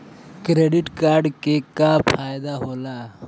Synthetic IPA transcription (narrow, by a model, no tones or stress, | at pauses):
kɾeɖiʈkaːɾɖkekapʰaːjd̪aɦola